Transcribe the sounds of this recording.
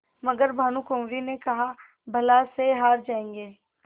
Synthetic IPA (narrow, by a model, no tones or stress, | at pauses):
mɐɡəɾbʱaːnũkõːmɾinekɐɦa | bʱɐlaseɦaːɾd͡ʒaːẽːŋɡeː